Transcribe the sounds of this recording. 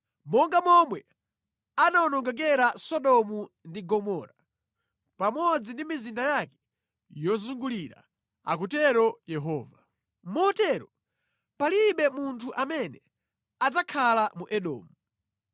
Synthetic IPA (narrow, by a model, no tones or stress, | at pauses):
mɔŋɡamɔmwɛ | anaɔnɔŋɡak̬ɛɾasɔɗɔmu | ndiɡɔmɔːɾa | pamɔd͡zindimizindajakɛ̥ | jɔzuŋɡuliɾa̰ | a̰kutɛɾɔjɛɦɔːva | mɔtɛɾɔ | paliɓɛmuntʰuʔamɛnɛ | ad͡zakʰalamuʔɛɗɔ̰ːmu